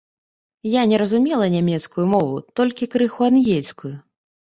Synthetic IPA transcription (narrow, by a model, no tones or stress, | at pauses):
janʲɛɾɐzumʲɛlˠɐnʲamʲɛt̪skujumɔvṵt̪ɔlʲkʲikɾɨxuanɣʲɛlʲskuju